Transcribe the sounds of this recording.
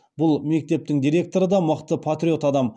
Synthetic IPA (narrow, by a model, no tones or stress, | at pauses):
bʊlˠme̞k̚t̪e̞p̚t̪ɪŋd̪ijɾe̞k̚t̪o̞ɾəd̪ɑməqt̪əpʰat̪rʲio̞t̪ɑd̪ɑm